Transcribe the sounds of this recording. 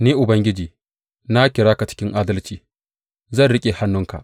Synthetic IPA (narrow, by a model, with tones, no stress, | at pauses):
neː˦ʔʊ˨bɐ˦ŋɡʲɪ˦d͡ʒiː˨ | na˦kʲɪ˨ɽaː˦ka˨t͡ʃɪ̥˦kʲɪ˦ŋʔaː˦dɐ˦lt͡ʃiː˨ | zɐ˦˨nɽɪ˦kʲʼe˨ha˦nːʊ˦ŋka̰˨ʔ